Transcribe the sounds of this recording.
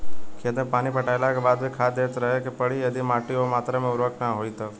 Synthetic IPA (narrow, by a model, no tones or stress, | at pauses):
kʰẽt̪əpaːñipəʈʰaelakebad̪bʱikʰad̪et̪ɾəɦekepəɭiəd̪ʱimaːʈiomaːt̪ɾəmẽʊɾʋəknãɦoit̪o